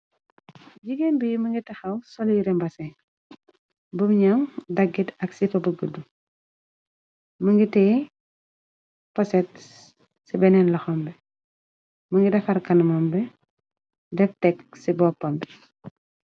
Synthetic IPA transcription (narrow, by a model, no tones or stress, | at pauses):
ɟiɡenbijiməŋɡitɐxɐwsɔljiɾɛmbɐsɛ | bumɲamdɐɡːitɐksifɐbəɡədu | məŋɡitɛː | pɔsɛt̚ | sibɛnɛnlɐxɔmbɛ | məŋɡidɛfɐɾkɐnmɐmbɛ | dɛftɛksibɔpːɐmbɛ